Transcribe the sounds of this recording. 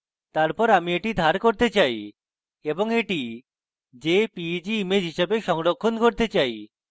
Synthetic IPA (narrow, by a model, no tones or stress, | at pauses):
t̪aɾpɔɾamieʈid̪ʱaɾkoɾt̪et͡ɕaj | eboŋeʈi | d͡ʑepid͡ʑiimed͡ʑɦiʃebeʃɔŋlokʰːonkoɾt̪et͡ɕaj